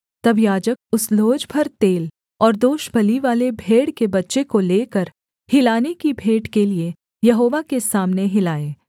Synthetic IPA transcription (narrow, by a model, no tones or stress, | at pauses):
t̪ɐbjaːd͡ʒək̚ʊsloːd͡ʒbʱɐɾt̪eːl | ɔːɾd̪oːʃbʱɐliʋaːlebʱeːɽkebɐtːʃekoleːkəɾ | hɪlaːnekibʱeːɖkelie | jɐɦoːʋakesaːmneɦɪlaːeː